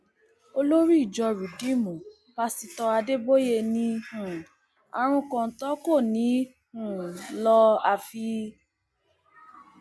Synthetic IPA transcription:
o˧lo˦ɾi˦i˦˨d͡ʒɔ˧ɾu˨di˨˦mɔ̃˨ | ba˧si˧tɔ˧a˧de˦bo˦je˧˨nĩ˧hũ˨ | a̰˧ɾ̃ũ˧kɔ̃˧n̩˨˧tɔ˦ko˦˨nĩ˨˦ | ũ˨lɔ˧a˧fi˧

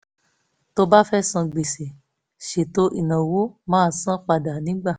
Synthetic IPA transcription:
to˧ba˦fɛ˦sã˧ɡ͡be˨se˨ | ʃe˨to˧˦ʔi˦˨nã˨wo˦mãː˦˨sã˦k͡pa˨da˨nĩ˨˦ɡ͡ba˦˨

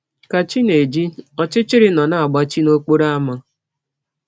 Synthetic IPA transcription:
ka˨t͡ʃi˦ne˨d͡ʒi˦ɔ˦t͡ʃɪ˦t͡ʃɪ˦ɾɪ˦nɔ˨na˦a˨ɡ͡ba˦t͡ʃi˦no˦k͡po˦ɾa˦a˦ma˦

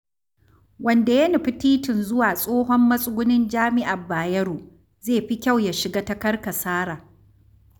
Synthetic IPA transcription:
wɐ˦˨nda˨jɐ˦ni˨ɸi˦tiː˦tɪ˨nzʊ˦waː˨sʼoː˦ɦɔ˦mːɐ˦sʼʊ˦ɡʷʊ˦nɪ˦nd͡ʒaː˦mɪ˦ʔa˨bːaː˨jɐ˦ɾuː˨ | zeː˦˨ɸi˦kʲa˦˨wja˨ʃɪ˨ɡaː˦tɐ˦kɐ˦rka˨saː˦ɽaː˨

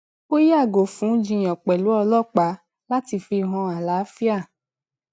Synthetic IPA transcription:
o˦ja˦˨ɡo˨fũ˨˦d͡ʒĩ˧j̃ɔ̃˨k͡pɛ˨lu˨˦ɔ˧lɔ˦˨k͡pa˨˦ | la˦ti˧fi˧ɦɔ̃˧a˨la˨˦fi˦a˦˨

